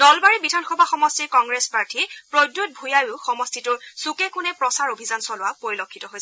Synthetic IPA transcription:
d̥ɔlbaɹibidʱanxɔbʱaxɔmɔstiɹkɔŋɡɹespaɹtʰipɹodːut̚bʱujajʊxɔmɔstitʊɹsukɛkʊnɛpɹɔsaɹobʱizansɔlʊwapoɹilokʰːitɔɦojsɛ

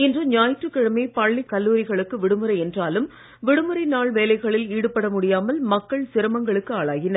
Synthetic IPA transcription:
ɪndrɯɲaːjʈrɯkːɪɻɐmeːpɐɭːɪkɐlːuːɾɪɣɐɭɯkːɯʋɪɽɯmɯɾɐɪɛndraːlɯm | ʋɪɽɯmɯɾɐɪnaːɭʋeːlɐɪɣɐɭɪliːɽɯpːɐɽɐmʊɽɪjaːmɐlmɐkːɐɭsɪɾɐmɐŋɡɐɭɯkːɯaːɭaːɣɪnɐɾ

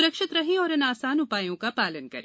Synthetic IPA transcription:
ʊɾəkʃɪt̪ɾɐɦẽɔːɾɐnaːsaːnʊpaːjõkapaːlənkɐɾḛ̃

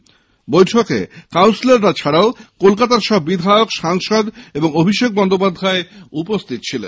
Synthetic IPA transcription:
bojʈʰokḛkawnsileɾʈat͡ɕʰaɽaokolkat̪aɾʃɔbːid̪ʱaeokʃaŋʃod̪eboŋobʱiʃek̚bɔnd̪opad̪ʱaeupost̪ʰit̪̚t͡ɕʰilḛn

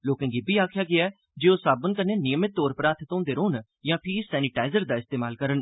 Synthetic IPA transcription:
loːkə̃ːŋɡiːbiːaːkʰɪjaːɡɪaɛ | d͡ʒeːosaːbənkəneːnɪjəmɪt̪ːoːɾpəɾaːt̪ʰt̪õːnd̪eːɾoːn | jãːpʰiːsɛːnɪʈaːɪzəɾd̪aːɪst̪eːmaːlkəɾən

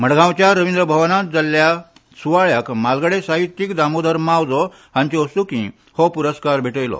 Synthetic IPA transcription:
m̤əɽɡʱãwt͡ɕjaɾəʋind̪ɾəbʱəʋnat̪̚d͡zalːja | suʋaɭəkmalɡəɽesaɦit̪ːikd̪amod̪ʱəɾmawd͡zɔ | hãɲt͡ɕeosukḭ̃ | hɔpuɾəskaɾbʱeʈəjlɔ̰

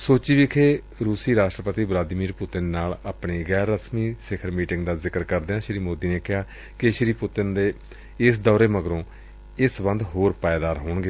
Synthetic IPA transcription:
soːt͡ʃiːʋɪkʰeː | ɾuːsiːɾaːʃʈɾəpət̪iːblaːd̪miːɾpʊt̪ɪnːaːlaːpɳiːɣɛːɾːəsmiːsɪkʰəɾmiːʈɪŋɡd̪aːzɪkəɾkəɾd̪eːãːʃɾiːmoːd̪iːneːkɪɦaː | kɪʃɾiːpʊt̪ɪnd̪eː | ɪsd̪ɔːɾeːməɡɾõː | ɪsbə̃nd̪ɦoːɾpaːeːd̪aːɾɦoːɳɡe

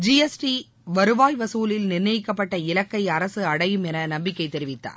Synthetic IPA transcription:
d͡ʒiɛsʈi | ʋɐɾɯʋaːjʋɐsuːlɪlnɪrnɐjɪkːɐpːɐʈːɐɪlɐkːɐɪɐɾɐsɯɐɽɐjɯmɛnɐnɐmbɪkːɐɪt̪ːɛɾɪʋɪt̪ːa̰ːɾ

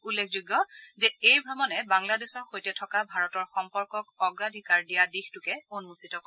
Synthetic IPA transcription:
ulːekʰzuɡjɔzɛejbʱɹɔmɔnɛbaŋladesɔɹxojtɛtʰɔkabʱaɹɔtɔɹxɔmpɔɹkɔkɔɡɹadʱikaɹdijadixtʊkɛonmusitɔkɔ

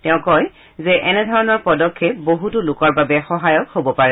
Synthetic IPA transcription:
tɛʊ̃kɔj | zɛʔɛnɛdʱɔɹɔnɔɹpɔdɔkʰːeboɦutulʊkɔɹbabɛxɔɦajɔkhobɔpaɹɛ

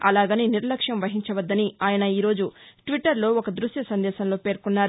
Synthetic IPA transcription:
ɐlaːɡɐniniɾlɐkʂjɐmʋɐɦiɲt͡ʃɐʋɐd̪ːɐniaːjɐnɐiːɾo̞ːd͡ʒuʈʋiʈːɐɾlo̞ːokɐd̪ɾuʃjɐsɐnd̪ɛːʃɐnlo̞ːpeːɾkunːaːɾu

